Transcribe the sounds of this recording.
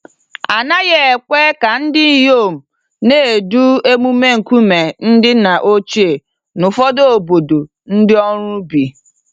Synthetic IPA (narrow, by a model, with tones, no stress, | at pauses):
a˨na˦ɣje˦e˨kʷe˦ka˨n̩˦dɪ˦jo˦˨m̩˨ | neː˦˨e˨du˦e˦mu˦me˦ŋ̩˨kʷu˦me˨n̩˦dɪ˦na˨ʔo˦t͡ʃi˦e˨ | nʊ˨fɔ˦do˦o˨bo˨do˨ | n̩˦dɪ˦ɔ˦ɾʊ˦bi˨